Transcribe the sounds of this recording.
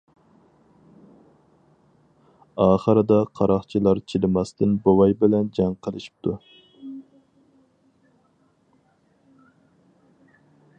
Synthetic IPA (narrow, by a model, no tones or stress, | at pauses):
ɑːχəɾɨd̪ɑqʰɑɾɑχt͡ʃʰilˠɑɾt͡ʃʰilɪmɑst̪ʰɨnbowɑjbɪlɛnd͡ʒɑŋqʰəlˠɨʃi̥p̚t̪ʰu